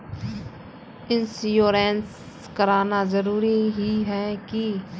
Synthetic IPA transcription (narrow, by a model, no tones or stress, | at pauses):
ɪnsjoːɾɛ̃ːns | kəɾaːnazəɾuːɾiɦiɦɛːki